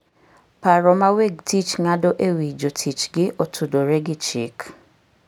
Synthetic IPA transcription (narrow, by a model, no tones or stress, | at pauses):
paɾɔmaweɡ̚tit͡ʃŋadoʔewid͡ʒotʰit͡ʃɡɪʔotʰudoɾeɡɪt͡ʃik